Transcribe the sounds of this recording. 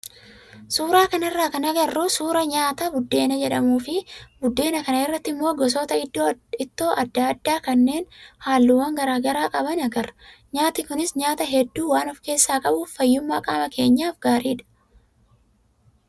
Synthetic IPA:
suːɾaːkɐnɐrːaːkɐnɐɡɐrːuːsuːɾɐɲaːt̪ɐbʊd̪ːe̞ːnɐd͡ʒɛᶑɐmuːfɪbʊd̪ːe̞ːnɐkɐnɐɪrːɐt̪ːɪmːoːɡɔs̬oːt̪ɐɪd̪ːoːɪt̪ːo̞ːʔɐd̪ːaɐd̪ːaːkɐnːe̞ːnhaːlːuːwɐŋɡɐɾaːɡɐɾaːkʼɐbɐnɐɡɐɾ | ɲaːt̪ɪkʊnɪsɲaːt̪ɐɦɛd̪ːuːwaːnɔfke̞ːsːaːkʼɐbuːfːɐjːʊmːaːkʼaːmɐkʰe̞ːɲːaːfɡaːɾiːᶑɐ̥

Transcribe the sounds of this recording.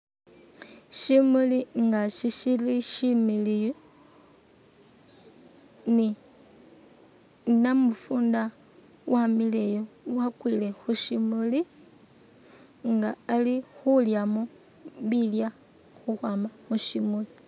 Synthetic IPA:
ʃimuliŋɡaʃiʃiliʃimilijo | ni | namufuːnda | wamilejowakwile̞xuʃimuli | ŋɡaːlixuljamo | βilja | xuxwaːmamuʃimuli

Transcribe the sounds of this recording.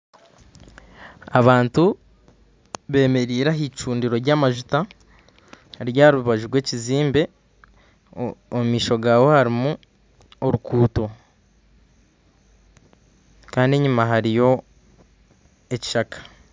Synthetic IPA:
aβaːntu | βe̞ːme̞ɾiːɾaɦit͡ʃuːndiɾo̞ɾɟaːmaʒuta | ɾjaːɾuβaʒuɾɡwe̞ːciziːmbe̞ | omumiːʃo̞ɡaːwo̞haɾimu | oɾukuːto̞ | kaːnde̞ɲumaɦaɾijo̞ | e̞ci̥ʃakḁ

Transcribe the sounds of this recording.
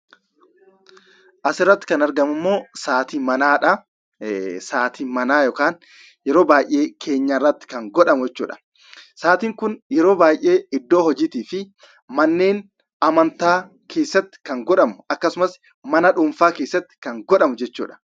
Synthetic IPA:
ʔɐsɪrːɐt̪ːɪ̥kɐnɐɾɡɐmʊmːo̞ːsaːt̪iːmɐnaːᶑɐ | saːt̪ʰiːmɐnaːjɔkaːn | jɛɾo̞ːbaːjʔːe̞ːkʰe̞ːɲːɐrːɐt̪ːɪ̥kɐŋɡɔᶑɐmʊɛt͡ʃːṵːᶑɐ̥ | saːt̪iːŋkʊnjɛɾo̞ːbaːjʔe̞ːɪd̪ːoːhɔd͡ʒiːt̪iːfɪ | mɐnːe̞ːn | ɐmɐnt̪aː | kʰe̞ːsːɐt̪ːɪ̥kɐŋɡɔᶑɐmʊʔɐkːɐsʊmɐs | mɐnɐᶑʊɱfaːke̞ːsːɐt̪ːɪ̥kɐŋɡɔᶑɐmʊd͡ʒɛt͡ʃːṵːᶑɐ̥

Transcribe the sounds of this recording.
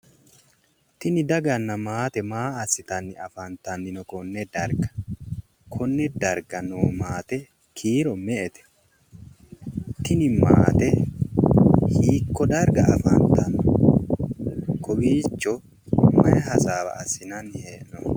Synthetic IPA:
t̪ɪnɪd̪ɐɡɐnːɐmaːt̪ɛmaːɐsɪt̪ɐnːɪɐfɐnt̪ɐnːɪnɔkɔnːɛd̪ɐɾɡɐ̥ | kʰɔnːɛd̪ɐɾɡɐnoːmaːt̪ɛ | kʰiːɾɔmɛʔɛt̪ɛ̥ | t̪ɪnɪma̰ːt̪ɛ | hiːkːɔd̪ɐɾɡɐʔɐfɐnt̪ɐn | kɔbiːt͡ʃːɔ | mɐjɛhɐsaːbɐ̰ːsɪnɐnheːʔnɔ

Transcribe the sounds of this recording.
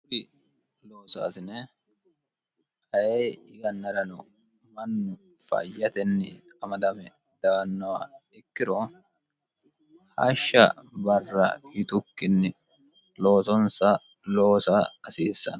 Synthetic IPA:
ʊɾɪ | loːsa̰ːsɪnɛ | hɐjeːɪɡɐnːɐɾɐnɔ | mɐnːʊ | fɐ̰jːɐt̪ɛnːɪ̰ | ɐmɐd̪ɐmɛ | d̪̥ɐwɐnːɐwaɛkːɪɾo | hɐʃːɐ̰bɐrːɐ̰ɪt̪ʊkːɪnːɪ | loːsɔnsɐ | loːsaɐsiːsːɐ̰nɐ

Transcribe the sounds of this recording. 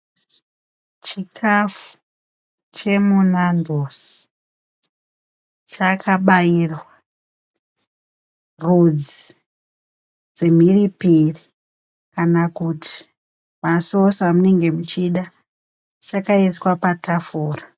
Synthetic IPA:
t͡ʃikʰafu̥ | t͡ʃe̞munandʱosi̥ | t͡ʃakʰaɓairwa | rud͡zi | d͡ze̞m̤iripiri | kanakuti̥ | maso̞samune̞ŋɡe̞mut͡ʃiɗa | t͡ʃakaeswapatafuːra

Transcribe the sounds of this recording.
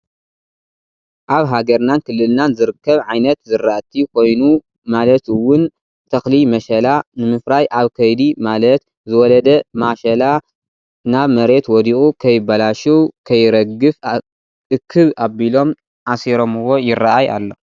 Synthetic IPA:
ʔaβɦaɡɐɾnankʰɨlːɨlnanzɨɾɨkʰːɐβʕajnɐt̪zɨrːaʔt̪ʰːikʰo̞jnu | malɐt̪ɨwʊn | t̪ʰɐxlimɐʃɐlanɨmɨfɾajʔaβkʰɐjd̪imalɐt̪ | zɨwɔlɐd̪ɐmaʃɐla | naβmɐɾe̞t̪wɔd̪iʔʼukʰɐjɪbɐlaʃuwkʰɐjɾɐɡɨf | ʔɨkʰːɨβabilo̞m | ʕasiɾo̞mɨwo̞jɪraaja̰lːo̞

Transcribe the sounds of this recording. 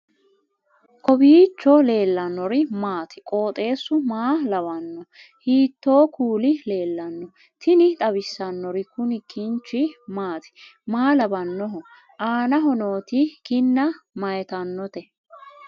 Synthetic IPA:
kʰɔbiːt͡ʃːɔle̞ːlːɐnːɔɾɪmaːt̪ɪ̥kʼo̞ːt̪ʼe̞ːsːʊmaːlɐbɐnːɔ | hiːt̪ːo̞ːkuːlɪle̞ːlːɐnːɔ | t̪ɪnɪt̪ʼɐbɪsːɐnːɔɾɪkʊnɪkːɪnt͡ʃːɪmaːt̪ɪ̥maːlɐbɐnːɔɦɔ | ʔaːnɐɦɔnoːt̪ɪkɪnːɐmɐjɛt̪ɐnːɔt̪ɛ

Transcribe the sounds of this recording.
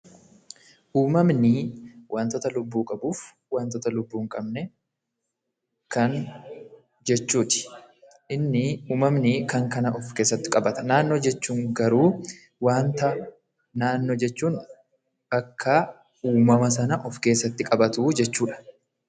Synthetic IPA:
ʔuːmɐmnɪwʔaːnt̪ɔːt̪ɐlʊbːuːkʼɐbuːf | waːnt̪ɔt̪ɐlʊbːuːŋkʼɐbnɛ | kɐŋ | d͡ʒɛt͡ʃːuːt̪ɪ̥ | ʔɪnːɪuːmɐmnɪkɐŋkɐnɐʔɔfke̞ːsːɐt̪ːɪ̥kʼɐbɐt̪ɐnaːnːoːd͡ʒɛt͡ʃːuːŋɡɐɾuː | waːnt̪ɐ | naːnːoːd͡ʒɛt͡ʃːuːn | bɐkʰːɐ | uːmɐmɐs̬ɐnɐʔɔfke̞ːsːɐt̪ːɪkʼɐbɐt̪uːd͡ʒɛt͡ʃːuːᶑɐ̥

